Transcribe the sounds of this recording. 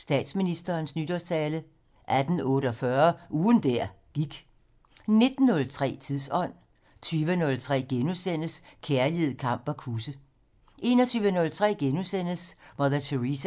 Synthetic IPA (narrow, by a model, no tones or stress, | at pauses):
sd̥ɛ̰ːd̥sminisd̥ɐːnsnyd̥ɒst͡sʰɛːlə | ʔæd̥n̩ɔ̽ːɾəɒfɶɐuːðn̩d̥æɐ̰ | ɡ̥iɡ̥ | ne̝d̥n̩ːɔ̽lt͡sʰʁɛ̰ːt͡sʰiðˠsɒ̽n̰ | t͡sʰyːʋənɔ̽lt͡sʰʁɛ̰ːɡ̥enusen̰əskʰæɐlið̩ˠkʰɑ̈m̰b̥ɒkʰusə | ʔe̝ːnɒ̽t͡sʰyːʋənɔ̽lt͡sʰʁɛ̰ːɡ̥enusen̰əsʋɒðæt͡sʰeʁis